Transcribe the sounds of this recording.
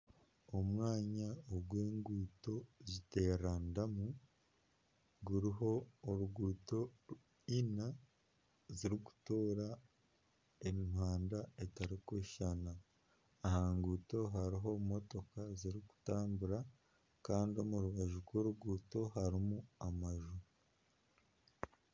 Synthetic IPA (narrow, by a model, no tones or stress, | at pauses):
o̞mwaːɲaoɡweːŋɡuːto̞zite̞ːɾandamu | ɡuɾiɦo̞ːɾuɡuːto̞ | ina | ziɾiɡu̥toːɾa | eminhwaːndaetaɾikoʃanaː | haŋɡuːto̞ɦaɾiɦo̞mo̞to̞kaziɾiɡu̥taːmbuɾa | kaːndio̞muɾuβaʒuɾɡwo̞ɾuɡuːto̞ɦaɾimuamaʒu